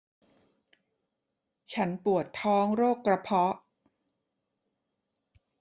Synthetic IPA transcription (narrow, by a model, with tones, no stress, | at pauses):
t͡ɕʰa˦˥npu˨˩ət̪ʰːɔː˦˥ŋɾoː˥˩kːɾa˧pʰɔ˦˥ʔ